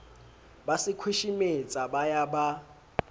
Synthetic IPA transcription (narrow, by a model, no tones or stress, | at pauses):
basikʰwiʃimɪt͡sʼabajaba